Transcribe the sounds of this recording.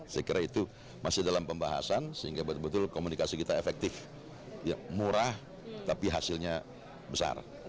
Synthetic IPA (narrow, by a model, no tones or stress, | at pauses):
səkiɾʔait̪u | masɪhdalampəmbaɦa̰sansəiŋɡabət̪bət̪ʊlkomunikasikit̪aefɛk̚t̪ɪf | jamuɾah | t̪apiɦasɪlɲa | bəsa̰r